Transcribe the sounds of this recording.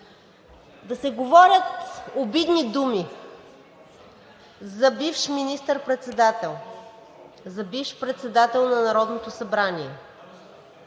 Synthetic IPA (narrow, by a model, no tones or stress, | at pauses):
d̪ɐsɛɡovɔɾʲət̪obid̪nid̪umi | zɐbifʃminist̪əɾpɾɛt̪sɛd̪at̪ɛlˠ | zɐbifʃpɾɛt̪sɛd̪at̪ɛlˠnɐnɐɾɔd̪not̪osɐbɾanʲiɛ